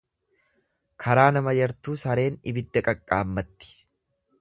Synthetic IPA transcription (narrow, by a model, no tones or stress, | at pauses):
kʰɐɾaːnɐmɐjɐɾt̪uːsɐɾe̞ːnɪbɪd̪ːɐkʼɐkʼːaːmːɐt̪ːɪ̥